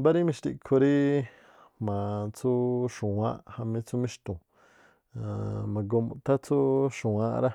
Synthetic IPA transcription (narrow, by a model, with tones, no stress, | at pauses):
ba˦ɾi˦mĩ˧ʃt̪i˧kʰo˧ɾi˦ | mã˨t͡su˦ʃũ˨ã˦ʔha˧mĩ˧t͡su˦mĩ˧ʃt̪ũ˨ | mã˨ɡo˧mũ˧t̪a˦t͡su˦ʃũ˨ã˧ɾa˦